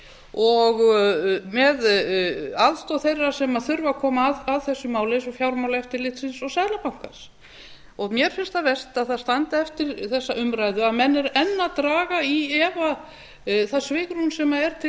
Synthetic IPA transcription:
ɔɣ | mɛð | aðst̪ɔθejrːasɛmaθʏɾvakʰɔːmaːðaðθɛsːʏmaːwlɪsɔfjawɾmawlaɛft̪ɪɾlɪt̪sɪnsɔɣsajðlapawŋ̥kas | ɔɣmjɛɾ̥fɪnst̪avɛst̪aðθaðst̪ant̪aɛft̪ɪɾθɛsːaʔʏmɾajðʏaðmɛnːɛɾɛnːat̪ɾaːɣaiɛva | θaðsvɪːkɾunsɛmaɛɾ̥t̪ʰɪ

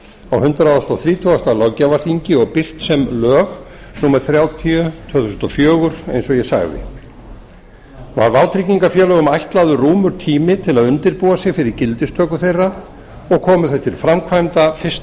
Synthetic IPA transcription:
awhʏnt̪ɾaawst̪ɔwθɾiːt̪ʰuast̪alɔwcːavaɾ̥θiɲcɪɔɣpɪr̥t̪sɛmlœːɣ | nuːmɛɾ̥θɾjaːwt̪ʰiʏt̪ʰvœːθusnt̪ɔfjœːɣʏɾ̥ḛjnsɔjɛsa̰ɣðɪ̰ | va̰ɾvawt̪ʰɾiciŋkafjɛːlœɣʏmajht̪laðʏruːmʏɾ̥t̪ʰiːmɪt̪ʰɪlaðʏnt̪ɪɾpuwasjɛɣfɪɾɪɾcɪlt̪ɪst̪ʰœːkʏθejrːa | ɔɣkʰɔːmʏθajt̪ʰɪlfɾamkʰvajmt̪afɪst̪

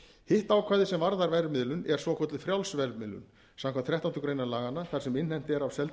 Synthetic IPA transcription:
hɪht̪aːwkʰvaːðɪsɛmvaɾðaɾvɛɾvmɪðlʏnɛɾ̥svɔkʰɔt̪ɪfɾjawlsvɛɾmɪðlʏ̰n | samkʰamt̪θʰɾɛht̪ant̪ʏkɾejnalaːɣanːaθaɾ̥sɛmɪnhɛjm̥t̪ɪɛɾawsɛl

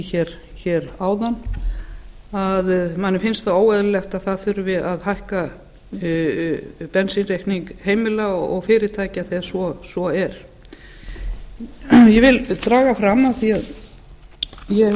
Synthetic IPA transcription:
çɛɾ̥ | çɛɾaːwðan | aðmanːɪfɪnst̪θaoːwɛðlɛxt̪aðθaðθʏɾʏvɪðaðɦajhka | pɛnsinrejhkniŋkheːjmɪlaɔɣfɪːɾɪt̪ʰaːjcaθɛsvɔsvɔɛɾ̥ | jɛvɪlt̪ɾaːɣafɾamaθiað | jɛ

